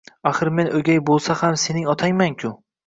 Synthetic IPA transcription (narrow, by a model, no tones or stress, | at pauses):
axɨɾme̞nʔɵɡʲajbolˠsahamse̞nɪŋɒt̪ʰajmankʲʰʊ